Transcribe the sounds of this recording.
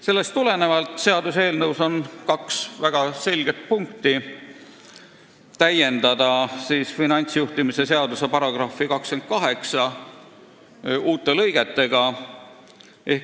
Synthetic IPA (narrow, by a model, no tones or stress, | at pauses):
se̞lːe̞st̪t̪ule̞ne̞vɑlt̪ˑse̞ɑd̪use̞ːlnɤwso̞nkɑksvæɡ̥ɑse̞lʲɡ̥e̞t̪̚puŋk̚t̪i | t̪æje̞nd̪̥ɑd̪̥ɑsiːsfinɑnʲt̪sjuht̪imise̞se̞ɑd̪̥usepɑɾɑɡ̥rɑfikɑkske̞nt̪̚kɑɦe̞ksɑ | uːt̪ːˑe̞lɤ̞jɡ̥e̞t̪ːe̞ɡ̥ɑ | ʔe̞h